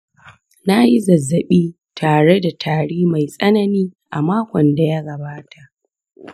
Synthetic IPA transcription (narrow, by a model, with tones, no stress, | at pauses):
na˦ji˦zɐ˨zːɐ˨ɓiː˦ | tʰaː˨ɽe˦da˨tʰaː˨ɽiː˦ma˨jsʼɐ˦nɐ˨niː˦ʔa̰˨maː˦kʷɔ˨nda˨ja˦ɡɐ˨baː˦tʰa˨ʔ